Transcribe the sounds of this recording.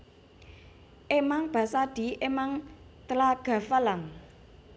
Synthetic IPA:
ʔemaŋb̥a̤saɖ̥i̤ʔemaŋt̪əlaɡ̥a̤falaŋ

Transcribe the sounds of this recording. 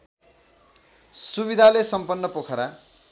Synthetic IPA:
subid̪ʱalesʌmpʌnːʌpokʰʌɾa

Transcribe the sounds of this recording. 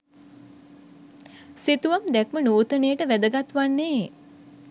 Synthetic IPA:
sit̪uʋamd̪ɛkmənuːt̪ənejəʈəʋæd̪əɡat̪ʋanːeː

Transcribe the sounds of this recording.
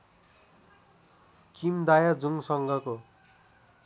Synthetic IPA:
kimd̪ajad͡zuŋɡsʌŋɡʌko

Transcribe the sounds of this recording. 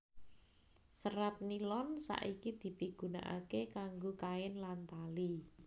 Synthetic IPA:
səɾat̪̚nilɔnsa̰ʔikid̪̥i̤piɡ̥ṳna̰ʔa̰kekaŋɡokaɪnlant̪ali

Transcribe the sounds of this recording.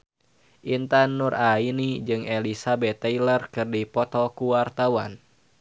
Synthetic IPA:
ʔint̪anːurainid͡ʒɨŋʔelisabɛt̪ːɛilərkɨrdipɔt̪ɔkuwart̪awa̰n

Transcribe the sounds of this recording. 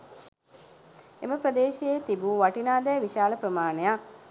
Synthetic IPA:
ḛməprəd̪eːʃeet̪ibuʋaʈinaːd̪ɛjʋiʃaːləprəmaːnejak

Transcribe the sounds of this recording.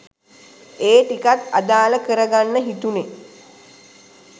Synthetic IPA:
eːʈikat̪a̰d̪aːləkəɾəɡanːəɦit̪une

